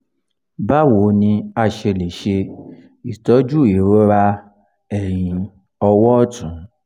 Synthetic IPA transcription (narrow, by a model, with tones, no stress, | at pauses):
ba˦wo˨˦nĩ˧a˦˨ʃe˧le˨ʃe˧ | i˨tɔ˨˦d͡ʒu˦˨i˨ɾo˦ɾa˧ | ɛ˨j̃ĩ˧ | ɔ˧wɔ˦ɔ˦˨tũ˨˦